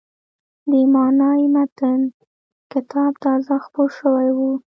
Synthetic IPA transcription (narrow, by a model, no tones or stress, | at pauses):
d̪əmɑnɑimat̪ən | kɪt̪ɑbt̪ɑzaxpolʃəwajwu